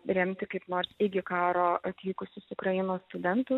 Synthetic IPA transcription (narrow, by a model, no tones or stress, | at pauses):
ɾʲɛmʲt̪ʲɪkɐɪpnoːɾsɪɡʲɪkɑːɾoːɐt̪ʲʋʲiːkʊsʲʊsʊkɾɐjɪnoːsst̪ʊd̪ʲɛnt̪ʊ